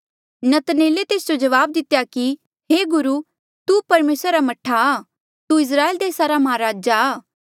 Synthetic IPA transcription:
nɐt̪neːlet̪eːsd͡ʒod͡ʒɐʋaːb̚d̪ɪt̪ːjaki | ɦeːɡʊɾu | t̪upɐɾmeːsɾːɾamɐʈʰːaː | t̪uɪs̬ɾaːeːld̪eːsaɾamɐɦaɾaːd͡ʒaː

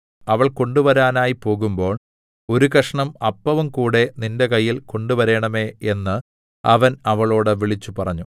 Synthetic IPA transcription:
ɐʋɐɭko̞ɳɖuʋɐɾaːnaːjipo̞ːɣumbo̞ːɭ | o̞ɾukɐʂɐɳɐmɐpːɐʋɐmkuːɽe̞ninde̞kɐjːilko̞ɳɖuʋɐɾe̞ːɳɐme̞ːenːɨ | ɐʋɐnɐʋɐɭo̞ːɽɨʋiɭit͡ɕːupɐrɐɲːu

